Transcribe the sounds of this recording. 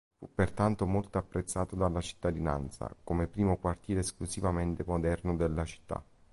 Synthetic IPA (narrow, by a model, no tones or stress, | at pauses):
fṵpːert̪ant̪omolt̪oapːɾet̪sːaːt̪od̪alːat͡ʃi̥t̪ːad̪ina̰nt̪sa̰komepɾiːmokwart̪jiːɾeːsklusivament̪emod̪ɛrnod̪elːat͡ʃi̥t̪ːa̰